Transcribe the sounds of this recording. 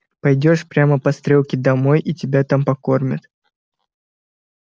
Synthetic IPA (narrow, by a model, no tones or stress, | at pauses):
pɐjdʲo̞ʂpɾʲaməpɐst̪ɾʲolˠkʲɪd̪ɐmo̞jitʲɪbʲat̪ampɐkormʲɪt̪